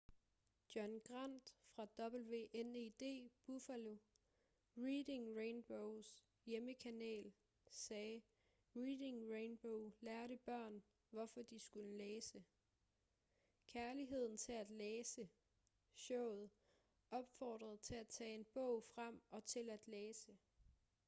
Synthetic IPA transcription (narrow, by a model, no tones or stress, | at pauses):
d̥jɒnɡ̥ʁan̰d̥fʁɑ̈d̥ɒ̽b̥l̩ʋe̝̰ʔened̥e̝̰ːb̥ufælo̝ | ʁiːd̥e̝ŋʁeɪnb̥oʊs | jeməkʰænḛːl | sɛː | ʁiːd̥e̝ŋʁenb̥oʊlæːɐɾəb̥ɶɐ̰n | ʋɒfɒ̽d̥isɡ̥uləleːsə | kʰæɐliɦe̝ð̞̰ˠn̩t͡sʰe̝læd̥leːsə | ɕɔʊ̰ð̩ˠ | ɒ̽b̥fɒːd̥ʁɐð̞̩ˠt͡sʰe̝æt͡sʰɛ̰ːe̝nb̥ɔ̽ʊ̰fʁam̰ɒ̽t͡sʰe̝læd̥leːsə